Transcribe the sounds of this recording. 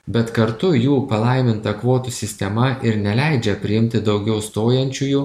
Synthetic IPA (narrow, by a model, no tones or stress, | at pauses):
bʲɛt̪kɐɾt̪ʊjuːpɐlˠɐɪmʲɪnt̪ɐkʋoːt̪usʲɪsʲt̪ʲɛmɐʔɪɾnʲɛlʲæɪd͡ʒʲɛpʲɾʲɪɪmʲt̪ʲɪd̪ɒʊɡʲɛʊst̪oːjɛnʲt͡ʃʲujuː